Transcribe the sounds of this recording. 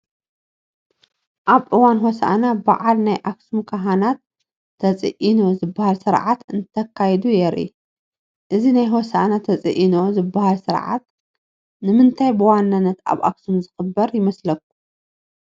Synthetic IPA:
ʔaβʔɨwanɦosa̰nabaʕalnajʔaksumkʰaɦanat̪ʰː | ɐt͡sʼɨ̰ʔino̞zɨbːahalsɨɾʕat̪ɨnt̪ʰɐkʰːajd̪ujɛɾʔḭ | ʔɨzinajɦosʔa̰nat̪ʰɐt͡sʼɨ̰ʔino̞zɨbahalsɨɾʕa̰t̪ | nɨmɨnt̪ʰajbɨwanːanːɐt̪a̰βa̰ksumzɨxɨbːɐɾjɪmɐslɐk̚ːu̥

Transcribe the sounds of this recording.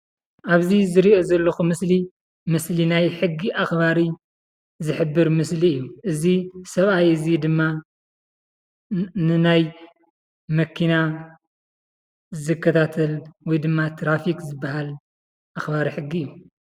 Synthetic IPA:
ʔaβzizɨɾio̞zɐlːɐxumɨsli | mɨslinajħɨɡːiʔaxbaɾi | zɨħɨbːɨɾmɨsliɨjːuʔɨzisɐβajɨzid̪ɨmːa | nɨnaj | mɐkʰina | zɨkʰːɐt̪ʰat̪ʰɐlwɔjd̪ɨmːat̪ʰɾafikzɨbːaɦal | ʔaxbaɾiħɨɡːiɨjːu

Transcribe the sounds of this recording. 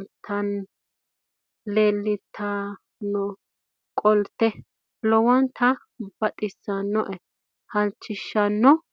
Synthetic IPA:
t̪ʰːɐn | leːlːɪt̪ʰːa | nɔ | kʼɔlt̪ːɛ | lɔwɔnt̪ʰɐ | b̥ɐt̪ʼɪsːanːɔʔɛ | hɐlt͡ʃːɪʃːɐnːɔ

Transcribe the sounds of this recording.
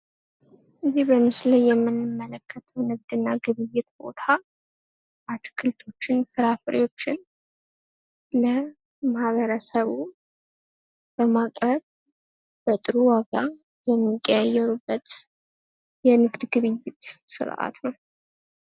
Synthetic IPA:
ʔɨzihbəmɨslajːɛmːɨnːɨmːələkʰːət̪ʰəwnɨɡ̚d̪ɨnːaɡɨβɨjːɪt̪bo̞̰t̪ʰa | ʔat̪kʰɨlt̪ʰo̞t͡ʃːɪnsɨɾafɨɾḭwo̞t͡ʃːɪn | lə | mahβəɾəsəβu | b̥əmakʼɾəβ | b̥ət̪ʼɨɾuwaɡa | jɛmːikʼːajajɛɾubːət̪ | jɛnɨɡd̪ɡɨβɨjːɪt̪sɨ̰ɾʔa̰t̪nəw

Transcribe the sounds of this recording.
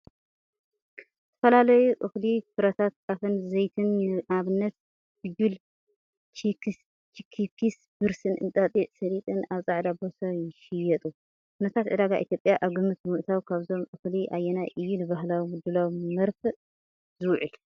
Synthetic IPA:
ɨt̪ʰɐ̥fɐlalɐjuʔɨxlikʰɨɾɐt̪ʰat̪̚kʼafɨnzɐjt̪ʰɨnaβɨnːɐt̪̚ | bɨjul | t͡ʃik | t͡ʃikʰikʰis | b̥ɨɾsɨnʔɨ̰nt̪ʼat̪ʼiʔsɐɾit̪ʼɨnaβt͡sʼaʕd̪abo̞sajɪʃɪjɛt̪ʼu | kʰunɐt̪ʰat̪ʕɨd̪aɡaʔḭt̪jo̞pʼjaʔaβɡɨmːɨt̪mɨʔt̪ʰawkʰaβzo̞mʔɨxliʔajːɛnaʔɨjːunɨβaɦlawd̪ulawmɐɾfɨ | zɨwʕɨl

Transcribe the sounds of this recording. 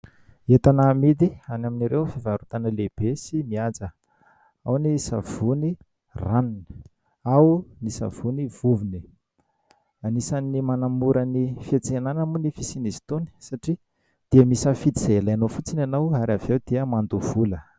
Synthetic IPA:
et̪anamid̪ianaminiɾewfivaɾut̪anəleb̥esimiad͡zə | awnisa̰v̥uni | ranni̥ | awnisa̰v̥univ̥uvini | anisanimanamuɾənifiat͡senanəmunifisinizi̥t̪uni̥saʈ͡ʂi | d̪̥iəmisəfit̪zelaanofut͡sinanawaɾavewd̪̥iəmand̪uv̥ulə

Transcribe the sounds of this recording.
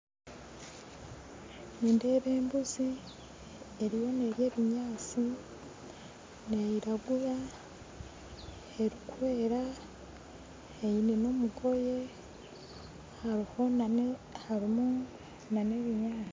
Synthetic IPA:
ninde̞ːβe̞ːmbuzi | eɾiβo̞neɾje̞ːβiɲaːt͡si | nejiɾaɡuɾa | eɾikuweːɾa | ejineno̞muɡo̞je̞ | haɾiho̞nahaɾimu | nane̞βiɲaːt͡si

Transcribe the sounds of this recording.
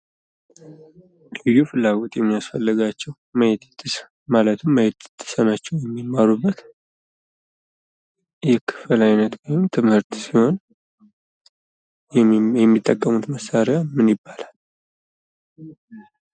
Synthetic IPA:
lɨjːufɨlːaɡot̪jɛmːijasfəlːɨɡat͡ʃːɛw | məjet̪t̪ʰʼːɨs | malət̪ʰɨmːəjet̪t̪ʰːɨ̥sənat͡ʃːɛwjɛmːimːaɾubːət̪ | jɛkʰɨ̥fɨlajnət̪wɔjɪmt̪ʰɨmhɨɾt̪siho̞n | ɛmːit̪ʼːəkʼːəmut̪məsaɾɪamɨnibːalal

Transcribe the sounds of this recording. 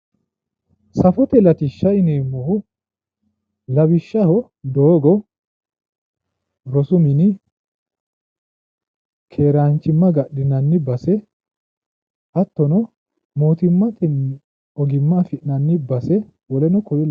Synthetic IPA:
sɐfɔt̪ɛlɐt̪ɪʃːɐɪneːmːɔhʊ | lɐbɪʃːɐhɔ | d̪oːɡɔ | ɾɔsʊmɪnɪ | kʰe̞ːɾaːnt͡ʃːɪmːɐɡɐɗɪnɐnːɪbɐsɛ | ʔɐt̪ːɔnɔ | moːt̪ɪmːɐt̪ɛn | ɔɡɪmːɐfɪʔnɐnːɪbɐsɛ | wɔlɛnɔkɔjɪl

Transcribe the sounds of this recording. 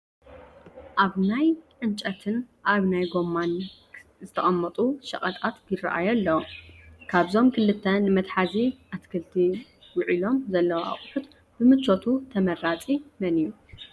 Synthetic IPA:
ʔaβnajʕɨnt͡ʃʼɐt̪ʰɨnʔaβnajɡo̞mːan | zɨt̪ʰɐχʼɐmːɐt̪ʼuʃɐ̰χʼɐt̪ʼat̪ɡɪrɐ̰ʔa̰jɐlːɐwkʰaβzo̞mkʰɨlɨt̪ʰːɐnɨmɐt̪ħaziʔat̪kʰɨlt̪ʰi | wʊʕilo̞mzɐlːɐwa̰χʼħut̪ | b̥ɨmɨt͡ʃːo̞t̪ʰut̪ʰɐmɐrat͡sʼimɐniju

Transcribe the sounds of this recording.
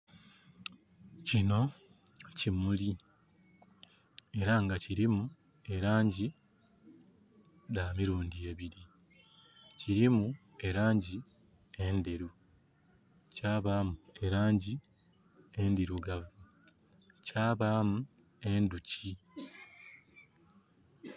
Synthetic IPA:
cino̞ | cimuli | e̞ɾaŋɡaciɾimu | e̞ɾaːɲɟi | damiɾuːndie̞βiɾi | ciɾimu | e̞ɾaːɲɟi | e̞ndeɾu | caːβaːmue̞ɾaːɲɟi | endiɾuɡavu | caːβaːmu | e̞nduci

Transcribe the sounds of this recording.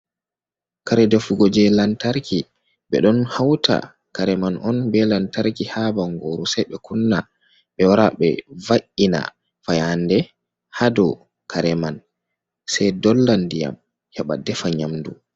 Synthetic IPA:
kaɾɛdefuɡɔd͡ʒɛlantaɾkʰi | ɓɛɗɔnhawtʰa̰ | kaɾɛmanʔɔnbɛlantaɾkihabaŋɡoːɾusajɓɛkunːa | ɓɛwaɾaɓɛ̰vaʔina̰ | fajandɛ | hadɔ | kʰaɾɛman | sajdɔlːandija̰m | hɛɓa̰dɛfaɲamdṵ

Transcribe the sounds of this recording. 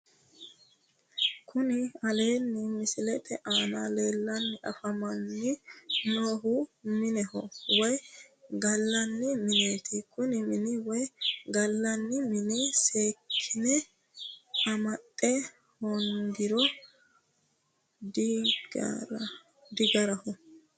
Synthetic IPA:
kʰʊnɪɐle̞ːnːɪmɪsɪlɛt̪ʰɛʔaːnale̞ːlːɐnːɪʔɐ̰fɐmɐnːɪnoːɦʊmɪnɛhɔwɔjɡɐlːɐnːɪmɪne̞ːt̪ʰɪkʊnɪmɪnɪwɔjɡɐlːɐnːɪmɪnise̞ːkʰːɪnɛ | ɐmɐt̪ʼːɛ | hɔnd̪ɪɾɔ | dɡ | d̪ɪɡɐɾɐhɔ

